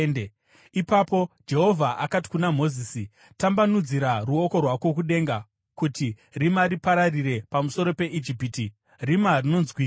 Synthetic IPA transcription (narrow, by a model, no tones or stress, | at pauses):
ne | ipapo̞d͡ʒe̞ɦo̞vʱaʔakati̥kunam̤o̞ziːsi | tambanud͡ziɾaruoko̞rwakwo̞k̬uɗe̞ŋɡa | kuti | rimaɾipaɾariɾe̞pamuso̞ɾo̞pe̞ʔid͡ʒipiti | rimarino̞nzwiː